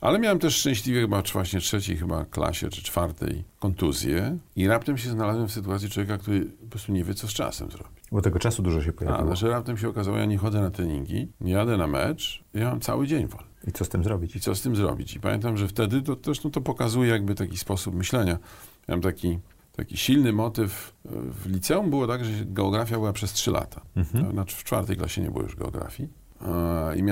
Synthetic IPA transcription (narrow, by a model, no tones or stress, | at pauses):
ʔalɛmʲjawɛmt̪ɛʂʂt͡ʂɛ̃ɕlʲivʲjɛxɘbavwaɕɲɛtʂɛt͡ɕejxɘba̰kla̰ɕɛ̰t͡ʂɘ̥t͡ʂfaɾt̪ɛ̰jkɔnt̪uzʲjɛiɾapt̪ɛmɕ̬ɛznalazwɛfsɘt̪uwat̪sʲjitwɔvʲjeɛkakt̪uɾɘpɔpɾɔst̪uɲɛvʲjɛt̪sɔst͡ʂa̰sɛ̰mzɾɔ̰b̥ʲi̥bɔt̪ɛɡɔt͡ʂasud̪uʐɔɕɛpɔjava̰wɔɛʐɛɾapt̪ɛmɕ̬ɛɔkazawɔ̰ja̰ɲɛxɔd̪zɛnat̪ɾɛɲḭŋɡʲḭɲɛjad̪ɛnamɛ̰t͡ʂijamamt̪sa̰wɘd͡ʑeɲvɔ | it̪sɔst̪ɘmzɾɔbʲit͡ɕit̪sɔst̪ɘmzɾɔ̰bʲit͡ɕipamʲjḛnt̪amʐɛft̪ɛd̪ɘt̪ɔɛʂt̪ɔ̃t̪ɔpɔkazujɛjaɡ̚bɘt̪akʲispɔsupmɘɕlɛɲamamamt̪akʲi | t̪akʲiɕilnɘmɔt̪ɘfvlʲit̪sɛumbɘwɔt̪aɡʐɛɡɛɔɡɾafʲjabɘwapʂɛstʂɘlʔa̰t̪ʰḁanaft͡ʂfa̰ɾt̪ɛjkla̰ɕɛɲɛ̰bɨ̰wɔ̰jṵʐɡɛ̰ɔɡɾa̰fʲji | ḭmʲa